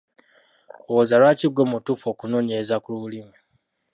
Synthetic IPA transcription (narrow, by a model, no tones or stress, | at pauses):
owozalwaːciɡwomutufoːkunoːɲezakululimi